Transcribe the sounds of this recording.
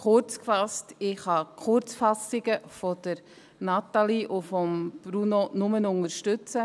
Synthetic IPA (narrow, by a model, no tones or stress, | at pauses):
χʊɾt͡skfɑstɪχhɑkʰχʊɾt͡sfɑsɪɡ̥əfɔd̥əɾ | nɑtaliʔʊfɔmb̥ɾunonʊmənʊŋəɾʃtʏt͡sə